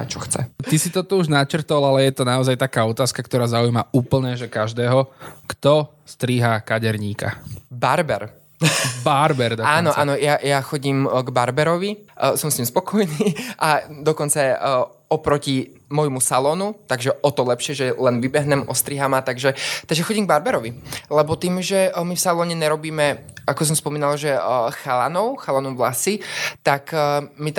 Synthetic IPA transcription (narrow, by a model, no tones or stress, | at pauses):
a̰t͡ʃɔxt͡sɛ̰isit̪ɔt̪ɔuʒnat͡ʃr̩t̪ɔlalɛjɛt̪ɔnaɔzajt̪akaːɔt̪aːskakt̪ɔɾaːzaujmauːpl̩ɲɛʒɛkaʒd̪ɛːɦɔkt̪ɔ | st̪ɾiɦakaɟɛɾɲiːka̰baɾbɛ̰ɾ | baɾbɛɾd̪ɔaːnɔʔaːnɔjajaxɔɟimɡbaɾbɛɾɔʋisɔmsɲiːmspɔkʰɔjniːʔad̪ɔkɔnt͡sa | ɔpɾɔci | mɔjmusalɔːnut̪aɡʒɛɔt̪ɔlɛpʃɪɛʒɛlɛnʋibɛɦɲɛmɔst̪ɾiɦamat̪aɡʒɛt̪aɡʒɛxɔɟimɡ̚baɾbɛɾɔʋilɛbɔt̪iːmʒɛmifsalɔːɲɛɲɛɾɔbiːmɛʔakɔs̬ɔmspɔmiːnalaʒɛxalanɔʊxalanɔʊʋlasit̪akmit̪